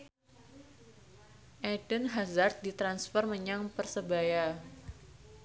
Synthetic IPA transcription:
ʔɛdənɦazart̪̚dit̪ɾansfərməɲaŋpərsəbaja

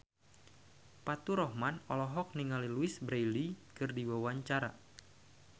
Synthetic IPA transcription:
pat̪uɾɔhmanɔlɔɦɔk̚niŋaliluɪsbɾejlikɨrdiwawaɲt͡ʃaɾa

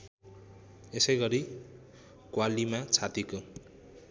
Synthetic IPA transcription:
esʌjɡʌɾi | kwalimat͡sʰat̪iko

